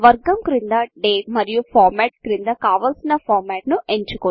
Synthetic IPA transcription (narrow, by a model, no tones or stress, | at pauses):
ʋɐɾɡɐmkɾind̪ɐɖeːmɐɾijupʰaːɾmɛːʈ̚kɾind̪ɐkaːʋaːlsinɐpʰɔːɾmɛːʈnuʔeɲt͡ʃukoː